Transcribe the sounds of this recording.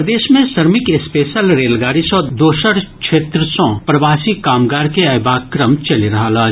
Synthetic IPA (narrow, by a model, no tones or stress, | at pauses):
d̪eːʃmẽsɐɾmɪkɪspeːʃəlɾeːlɡaːɾisɔ̃d̪oːʃəɽkʃʰeːt̪ɾəsõpɾɐʋaːsikaːmɡaːɾkeɐbaːkɾəmt͡ʃɐliɾɐɦalaː